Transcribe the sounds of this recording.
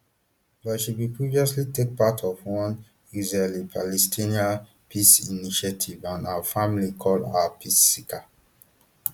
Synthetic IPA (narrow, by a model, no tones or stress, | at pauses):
bɔʃiwipʰɹiviɔslitek̚patʰɔvwɔ̃n | izɹelipʰalɛstʰina | pʰisiniʃatʰivãnafãmlikʰɔldapʰisːikʰa